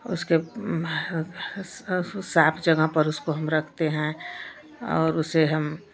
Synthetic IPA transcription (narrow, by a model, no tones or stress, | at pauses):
ʊske | saːpʰd͡ʒɐɡəɦpɐɾʊskoɦɐmɾɐkʰt̪eɦɛ̃ | ɔːɾʊseɦɐm